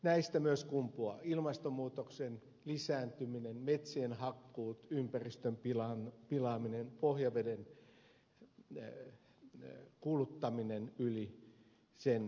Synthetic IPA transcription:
næist̪æmyøskumpuɑilmɑst̪omːuːt̪oksen | lisæːnt̪yminenmet̪seːnhɑkːuːt̪ympærist̪ømpilɑnpilɑːminenpohjɑʋeden | kulut̪ːɑminenyli | sen

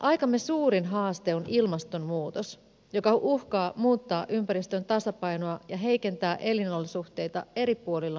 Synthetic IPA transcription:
ʔɑjkɑmːesuːɾinɦɑːst̪e̞onilmɑst̪o̞mmuːt̪os | jo̞kɑʔuhkɑːmuːt̪ːɑːʔympæɾist̪ønt̪ɑsɑpɑjnoɑjɑɦe̞jke̞nt̪æːʔe̞linolːsuht̪e̞jt̪ɑ̰e̞ɾipuolilːɑ

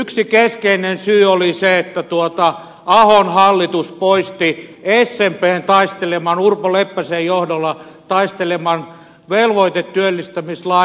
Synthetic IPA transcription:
yksikeskeinensyːoliseet̪ːæt̪uot̪ɑ | ɑhonhɑlːit̪uspoist̪iesːempeːnt̪ɑist̪elemɑnurpolepːæsejjohdolːɑt̪ɑist̪elemɑn | ʋelʋoit̪et̪tyølːist̪æmislɑ

